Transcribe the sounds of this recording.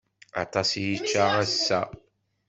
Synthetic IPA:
ɑ̰t̪ˤɑsijit͡ʃːaæsːæ

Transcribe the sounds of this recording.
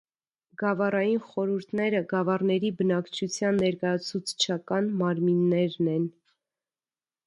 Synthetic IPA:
ɡɑvɑrɑjinχɔɾuɾt̪ʰnɛɾəɡɑvɑrnɛɾibənɑkt͡ʃʰut͡sʰjɑnːɛɾkɑjɑt͡sʰut͡sʰt͡ʃʰɑkɑnmɑɾminːɛɾnɛn

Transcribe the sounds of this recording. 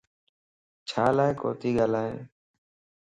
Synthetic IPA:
t͡ʃʰaːlaːɦko̰ːt̪iːɡaːlaːɦẽː

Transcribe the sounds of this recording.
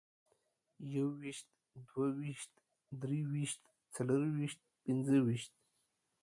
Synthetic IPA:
jawiʃt̪ | d̪wawiʃt̪ | d̪ɾiwiʃt̪ | t͡saləɾwiʃt̪̚pinzəwiʃt̪̚

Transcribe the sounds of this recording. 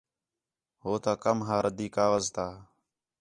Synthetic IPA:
ɦoːt̪aːkəmɦaːɾəd̪iːkaːʋəzt̪aː

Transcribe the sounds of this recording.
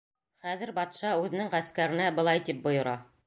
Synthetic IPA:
χæðɘ̆ɾbɑt̪ʃɑʉðɘ̆nɘŋʁæskæɾɘ̆næbɤ̆lˠɑjt̪ip̚bŏjŏɾɑ

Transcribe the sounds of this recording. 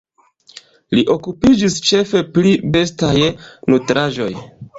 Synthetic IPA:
liʔo̞kupid͡ʒist͡ʃe̞fe̞plibe̞stajnutɾaʒo̞̰j

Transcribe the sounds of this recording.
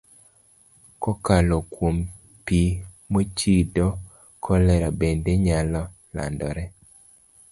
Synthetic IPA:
kɔkalɔkwom | pi | mot͡ʃidɔ | kʰɔlɛɾabendeɲalɔ | la̰ndɔɾɛ

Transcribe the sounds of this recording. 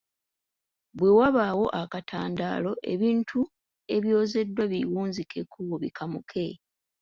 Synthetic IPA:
βwe̞waβawo̞ʔakatʰaːnda̰ːlo̞ʔe̞̰βiːntʰu | e̞βjo̞ːze̞dːwaβiwuːnzikʰekʰːuβoβḭkʰamukʰe̞

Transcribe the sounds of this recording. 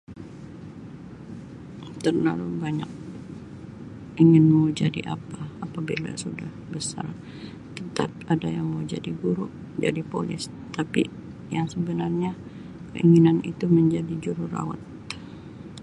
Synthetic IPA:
t̪ərla̰lubaɲak̚ | iŋɪnmud͡ʒadiʔapaapabila̰sudahbəsa̰r | t̪ənt̪ap̚adajaŋmoud͡ʒa̰diɡuɾʊʔ | d͡ʒa̰dipolɪ̰s | t̪api | jaŋsəbənarɲa | kə̰ʔiŋinanḭt̪uməɲd͡ʒadid͡ʒuɾura̰wa̰t̪̚

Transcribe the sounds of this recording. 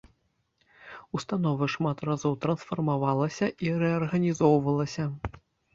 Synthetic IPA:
ust̪anɔvɨʂmat̪razɔwt̪ɾɐnsfɐrmavalˠɐsʲɐʔiɾɛɐrɣɐnʲizɔwvɐlˠɐsʲɐ

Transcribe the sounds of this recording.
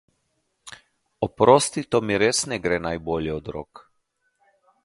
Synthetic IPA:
ɔpɾoːst̪it̪ɔmiɾesnɛɡɾɛnajboːljɛɔd̪ɾo̰ːk

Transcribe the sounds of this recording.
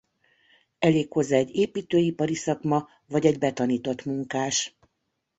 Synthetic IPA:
ɛleːkho̞zːaɛɟeːpiːt̪øːipɒɾisɒkmɒ | vɒɟɛɟbɛt̪ɒniːt̪o̞t̪muŋkaːʃ

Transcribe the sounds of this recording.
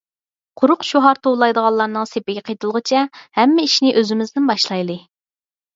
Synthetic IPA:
qʰʊɾʊqʃoɦɑɾt̪ʰowlˠɑjd̪əʁɑlˠːɑɾnɨŋsepɪɡʲɛqʰejt̪ʰɨlˠʁət͡ʃʰɛhɛmːɪiʃnɪʔøzɪmɪznɪnbɑʃlˠɑjlˠɨ

